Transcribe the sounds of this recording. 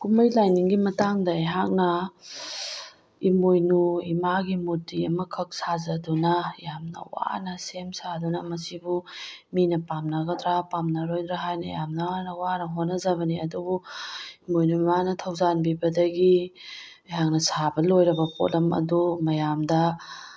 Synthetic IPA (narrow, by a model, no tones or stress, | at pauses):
kumɐjlajniŋɡimɐtaŋdɐːjɦak̚nɐ | imojnuimaɡimutiɐmɐkʰɐk̚sazɐdunɐjamnɐ̰wa̰nɐsemsadunɐmɐsibuminɐpamnɐɡɐtɾapamnɐɾojdɾaɦajnɐ̰jamnɐnɐwanɐɦotnːɐzɐβɐniɐdubuimojnuimanɐtʰɐwzanbibɐdɐɡi | ɐjɦak̚nɐsabɐlojɾɐbɐpʰo̰lʔɐmɐ̰dumɐjamdɐ